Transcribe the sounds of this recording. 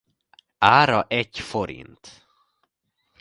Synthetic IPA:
aːɾɑʔɛcːfɔɾḭnt̪

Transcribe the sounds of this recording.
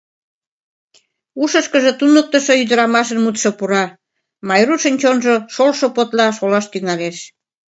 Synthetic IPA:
uʃəʃkəʒĕt̪unək̚t̪əʃoyd̪əɾɑmɑʃə̆nmut̪ʃŏpuɾɑ | mɑjɾuʃənʲt͡ɕonʒoʃolʃopot̪lɑʃolɑʃt̪yŋɑleʃ

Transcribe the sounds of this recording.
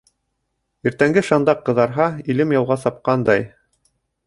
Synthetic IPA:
iɾt̪æŋɡɘʃɑnd̪ɑqːɤ̆ðɑɾɦɑilɘmjɑwˠʁɑsɑp̚qɑnd̪ɑj

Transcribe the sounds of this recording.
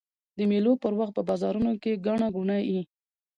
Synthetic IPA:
d̪əmelopəɾwaxt̪̚pəbɑzɑɾunokeɡaɳaɡuɳaji

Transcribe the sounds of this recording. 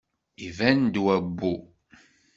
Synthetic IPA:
ivænd̪wæɡʷːu

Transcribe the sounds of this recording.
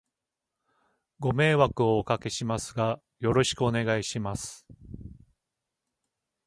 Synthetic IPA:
ɡo̞me̞ːβakɯ̟o̞ːkake̞ɕimasɨɡa | jo̞ɾo̞ɕi̥kɯ̟o̞ne̞ɡaiɕimasɨ̥

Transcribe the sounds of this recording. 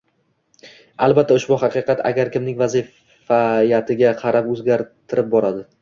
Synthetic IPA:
alˠbat̪ʰːaʊʃbʊɦɑqʰɨqʰɑt̪ʰa̰ɡʲaɾkʲɪmnɪŋʲvazɪf | ajat̪ʰɪɡʲaqʰɑɾapɵzɡʲaɾt̪ʰɪɾɪp̚bɒɾad̪ɪ

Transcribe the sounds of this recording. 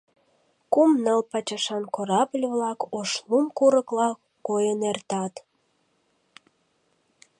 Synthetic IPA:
kumnəlpɑt͡ɕɑʃɑnkoɾɑblʲβlɑkoʃlumkuɾəklɑ | kojənert̪ɑt̪

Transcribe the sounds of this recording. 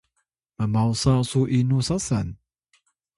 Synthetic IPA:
mamawsasuʔinusasan

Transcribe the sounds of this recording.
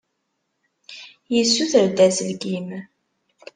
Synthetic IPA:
jəsːuθəɾd̪æzlɡim

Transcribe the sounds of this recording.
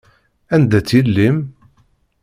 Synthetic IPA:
ænd̪æt͡sːilːim

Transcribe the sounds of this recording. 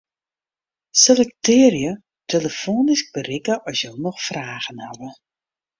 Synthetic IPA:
selɛktʰɪːrjə | tʰeləfoːnisk̚bərikəʔɔsjɔlˠnɔxfraːɣənhaʋə

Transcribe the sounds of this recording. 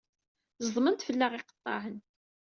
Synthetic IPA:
zðˤmənt̪fəlːæʁiqə̥t̪ˤːɑ̰ʕən

